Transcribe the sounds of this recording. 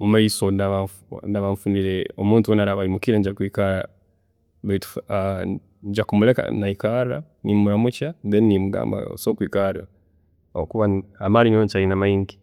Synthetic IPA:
mumaisonaβafnaβamfuniɾeomuːntuwonaɾaβaimukiɾeɲɟakwiːkaɾa | βeitu̥ | ɲɟakumuleka̰naikaɾɾa | nimmuɾamucadennimuɡa̰ːmba̰o̰soːkwiːkaɾiɾa | okuβanamalinoɲt͡ʃainamaiŋɡi

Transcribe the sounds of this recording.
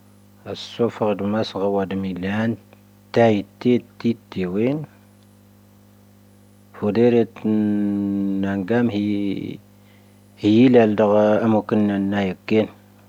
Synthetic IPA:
asːofəʁdmasɣawadmilan | t̪ajt̪ːet̪ːit̪ːewen | fudeɾet̪ | naŋɡamhi | hjilældəɣamokənːanːajəkːen

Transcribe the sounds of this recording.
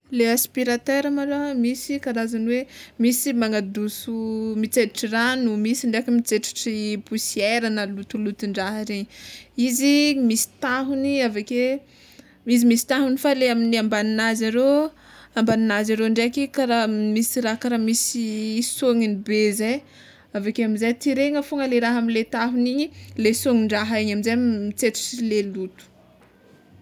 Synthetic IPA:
leaspiɾat̪eɾamalamisikaɾazaniwemisimaŋad̪usumit͡seiʈ͡ʂiranumisiɳɖ͡ʐakmit͡seʈ͡ʂi̥ʈ͡ʂipusieɾanəlut̪ulut̪uɳɖ͡ʐaɦaɾeɲiizimisi̥t̪aɦuniavake | mis̬imisi̥t̪aɦunifaleaminiambaninazaɾe | ambaninazaɾeɳɖ͡ʐekikaɾamisiɾaɦkaɾamisisoŋinibezaj | avakeamizajt̪iɾeŋəfoŋəleɾaɦamilet̪aɦuniɲilesoŋiɳɖ͡ʐaɦaeɲamizamit͡seʈ͡ʂu̥silelut̪u̥

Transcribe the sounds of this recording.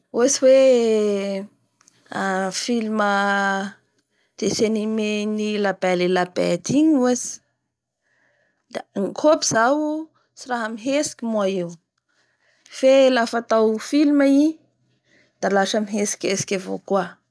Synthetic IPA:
eziwe | afilimə | d̪̥esenimenilabelelabḛd̪iɲuazi̥ | d̪aŋkʰopiz̥aw | siɾaɦəmiɦesi̥kʲimuaew | felafat̪awfilmai | d̪̥alaʃəmiɦesi̥kʲesi̥kʲavo̰kwa

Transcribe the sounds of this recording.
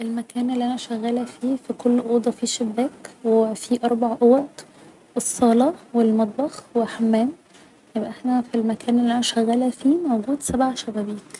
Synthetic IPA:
ʔelmækæːnʔelːiʔænæʃæɣːælæfiːfikʰolːʔoːd̪ˤɑfiːʃebːæːkwefiʔɑɾˤbaʕʔowæt̪ | esˤːɑːlɑwelmɑd̪̚ˤbɑxweħamːæːn | jebʔæʔeħnæfilmækʰæːnelːiʔænæʃæɣːælæfiːmowɡuːd̪sæbʕaʃæbæbiːk

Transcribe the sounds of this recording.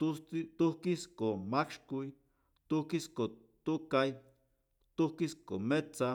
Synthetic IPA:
t̪usit̪uhkiskomakʃkui | t̪uhkisko | t̪ukaj | t̪uhkiskomet͡sa

